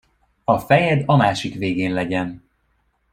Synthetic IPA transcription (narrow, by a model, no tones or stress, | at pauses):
ɒfɛjɛd̪ɒmaːʃikʋeːɡeːnlɛɟɛn